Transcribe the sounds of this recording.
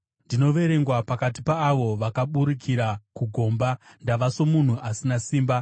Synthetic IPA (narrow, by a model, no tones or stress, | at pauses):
ndino̞ʋe̞ɾe̞ŋɡwapakat̬ipaːʋo̞ʋakaɓuɾikʰiɾakuɡʱo̞ːmbandaʋaso̞mun̤uʔasinasiːmba